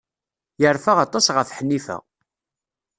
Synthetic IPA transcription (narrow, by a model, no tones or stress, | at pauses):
jəɾˤfaʁɑt̪ˤːɑsʁəfħənːifæ̰